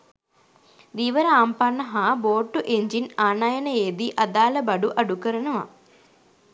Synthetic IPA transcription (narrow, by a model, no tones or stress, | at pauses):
ɾiʋɐɾaːmpaːnɐɦaboːʈːuʔeɲd͡ʒinaːnaːjɐnɐeːd̪iʔɐd̪aːlɐbɐɖuʔɐɖukɐɾɐɳɐʋɐ̰